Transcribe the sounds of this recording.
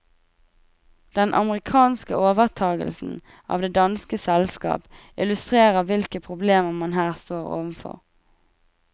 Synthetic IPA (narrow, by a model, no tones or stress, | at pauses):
d̪̥ɛnʔɑ̰məʁɪkʰɑːnskəoːʋəʁt̪ʰɑːɡə̰lsn̩ | ʔɑ̰ːʋd̪eːd̪ɑnskəsɛlskɑ̰ːp | ɪlʉst̪ʁeːʁəʁʋɪlkəpʰʁʊbleːməʁmɑnɦæːʁst̪oːʁo̰ːʋən̩fɔ̰ʁ